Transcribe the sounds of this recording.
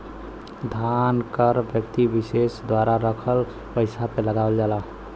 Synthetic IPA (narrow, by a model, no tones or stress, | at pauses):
d̪ʱankəɾbjəkt̪ibisesd̪waɾaɾəkʰəl | pəɪsapeləɡabəld͡ʒala